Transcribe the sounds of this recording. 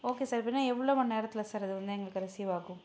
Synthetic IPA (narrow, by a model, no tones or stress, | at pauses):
oːkeːsaːɾpenːaːɛʋːɭoːmɐnːneːɾɐt̪ːɪlɐsaːɾɐðɯʋɐnd̪ɯɛŋɡɐɭɯkːɐɾɐsiʋaːɣʊ̃